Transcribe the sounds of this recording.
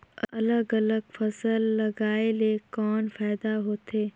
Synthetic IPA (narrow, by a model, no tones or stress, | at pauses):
ɐləɡɐləɡfɐsəlːɐɡaːelekɔːnfaːɪd̪aɦoːt̪ʰeː